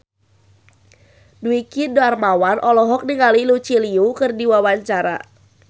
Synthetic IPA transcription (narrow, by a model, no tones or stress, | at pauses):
duikidoarmawanʔɔlɔɦɔk̚niŋalilut͡ʃiliukɨrdiwawaɲt͡ʃaɾa̰